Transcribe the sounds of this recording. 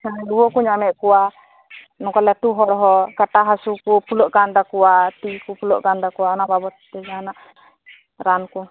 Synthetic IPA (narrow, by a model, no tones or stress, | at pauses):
anɾuwɔkuɲamɛʔkɔwa | nɔkɔlɛt̪uɦɔɽɦɔkaʈaɦasukupulɔʔɡand̪akɔwat̪iʔkupulɔʔɡand̪akuwaɔnababɔt̪t̪ɛd͡ʒanaʔ | ɾanku